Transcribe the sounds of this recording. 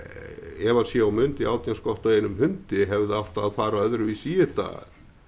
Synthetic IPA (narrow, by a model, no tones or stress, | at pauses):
ɛvaɾ̥sjɛawmʏnt̪ɪaːwt̪janskɔht̪aenʏmhʏnt̪ɪɦɛvðɪawht̪aːðfaːɾaœðɾʏvisiːɪt̪a̰